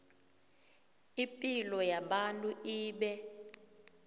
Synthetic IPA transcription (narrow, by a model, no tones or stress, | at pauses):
ipʼilɔjaɓantʼuʔiːɓɛ